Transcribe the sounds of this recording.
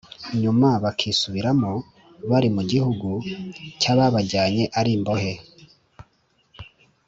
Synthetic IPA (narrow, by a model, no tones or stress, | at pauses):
ɲumaβakʰisuβiɾamo | βaɾimuɟihuɡucaβaβaɟaːɲe̞ʔaɾiːmbo̞he̞